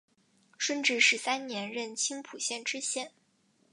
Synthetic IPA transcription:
ʂwə˥nʈ͡ʂɻ̩˥˧ʂɻ̩˥˧˥sa˥nnjɛ˧˥nɻə˥˩nt͡ɕʰi˥ŋpʰu˨˩ɕjɛ˥˩nʈ͡ʂɻ̩˥ɕjɛ˥˩n

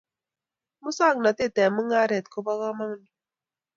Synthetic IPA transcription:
mu˦sa˦˨ŋ˨na˨ti˦˨tɛ˨mu˦ŋa˦ɾɛ˨tko˦bɔ˦kɔ˦ma˦ŋ˦nu˨

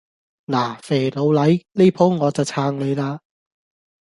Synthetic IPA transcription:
naː˨˩fe˨˩lo˨˧wlɐ˨˥jle˥jpʰo˨˥wŋɔː˨˧t͡sɐ˨˩wt͡sʰaː˧ŋle˨˧jlaː˧

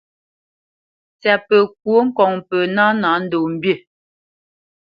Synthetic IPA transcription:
t͡sɛ˨pə˨k̚wo˨˦ŋ̩˦kɔ˨ŋpə˨na˦na˨˦n̩˦do˨m̩˨bje˦˨

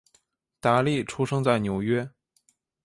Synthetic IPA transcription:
t̪a˧˥li˥˩ʈ͡ʂʰu˥ʂɤ˥ŋt͡sa˥˩ɪnjo˧˥ʊɥɛ˥

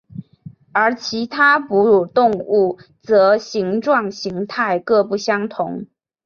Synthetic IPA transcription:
ə˞˧˥t͡ɕʰi˧˥t̪ʰa˥pu˧˦˥ɻu˨˩t̪ʊ˥˧ŋu˥˩ | t͡sɤ˧˥ɕi˧˥ŋʈ͡ʂwɑ˥˨˩ŋɕi˧˥ŋt̪ʰa˥˧ɪkɤ˥˧pu˥˩ɕjɑ˥ŋt̪ʰʊ˧˦ŋ

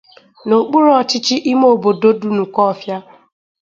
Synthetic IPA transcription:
no˨k͡pu˦ɾɔ˦˨t͡ʃɪ˦t͡ʃɪ˦ʔɪ˦mo˦˨bo˨do˦du˨nu˨kɔ˦˨fja˦

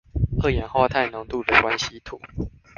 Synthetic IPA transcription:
ɤ˥˩jɛ˨˦nxwa˥˧t̪ʰa˥˩ɪnʊ˧˦ŋt̪u˥˨d̪ə˨kwa˦nɕi˦t̪ʰu˨˩˦

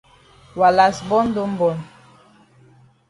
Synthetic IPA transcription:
wa˨la˨sbɔ˦n˦do˦m̩˦bɔ˨n

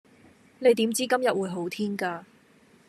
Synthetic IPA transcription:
ne˨˧jt̪̬iː˨˥mt͡siː˥kɐ˥mjɐ˨t̚wuː˨˧jɦo˨˥wt̪ʰiː˥nkaː˧

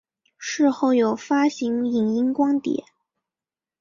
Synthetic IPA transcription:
ʂɻ̩˥˧xo˥˩ʊjo˨˩ʊfa˥ɕi˧˥ŋi˨˩ŋi˥ŋkwɑ˥ŋt̪jɛ̰˨˩˦

